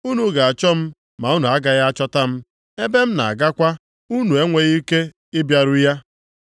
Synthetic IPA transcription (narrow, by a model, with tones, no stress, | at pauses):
u˦nu˨ɡa˨a˨t͡ʃɔ˦m̩˦ | ma˨˦u˦nu˨a˦ɡa˦ɣa˦t͡ʃɔ˦ta˦m̩˦ | e˦be˦m̩˦na̰˨a˨ɡa˦kʷa˦ | u˦nu˨e˦ŋʷe˨ɣi˦ke˦ | ɪ˦bja˨ɾʊ˦ja˦